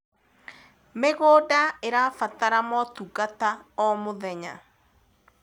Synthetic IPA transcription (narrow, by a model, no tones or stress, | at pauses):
meɣodaeɾafataɾamɔtuɣataɔmoðɛɲa̰